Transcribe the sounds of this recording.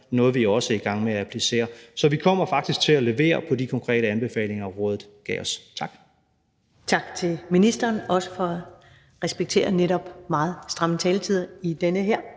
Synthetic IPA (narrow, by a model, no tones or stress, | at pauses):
nɔ̽ːð̞̩ˠʋiɒ̽səiɡ̥ɑ̈ŋ̰meææpʰlise̝̰ːɐsɒ̽ʋikʰɒ̽m̰ɐfɑ̈ɡ̥̚d̥isɡ̥̚t͡sʰe̝læle̝ʋe̝̰ːɐpʰɒ̽dikʰɒ̽ŋkʰʁɛ̰ːɾ̥əænb̥e̝fɛ̰ːle̝ŋɐʁɔ̽ːðð̩ˠɡ̥ɛ̰ːɒ̽st͡sʰɑ̈ɡ̥ | t͡sʰɑ̈ɡ̥t͡sʰe̝lminisd̥ɐːnɒ̽sə̥fɒ̽æ | ʁɛsb̥eɡ̥̚t͡sʰe̝̰ːɐneɾɒ̽b̥mɑ̈ːð̞̩ˠsd̥ʁɑ̈mət͡sʰɛːlət͡sʰið̰ˠɐid̥enəɦeɐ̰